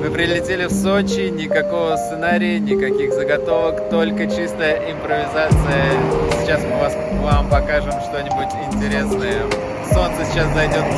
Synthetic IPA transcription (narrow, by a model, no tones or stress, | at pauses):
mɨpɾʲɪlʲɪtʲelʲɪfsot͡ɕɪnʲɪkɐko̞vəst̪sɨnaɾʲɪjənʲɪkɐkʲixzəɡɐt̪o̞vəkt̪o̞lʲkət͡ɕist̪əjəʔɪmpɾəvʲɪzat̪sɨjəsʲɪ̥t͡ɕasmɨvas | vampɐkaʐɨmʂt̪o̞nʲɪbʊtʲɪnʲtʲɪɾʲe̞snəjə | so̞nt̪sɨsʲɪt͡ɕaszɐjdʲo̞t̪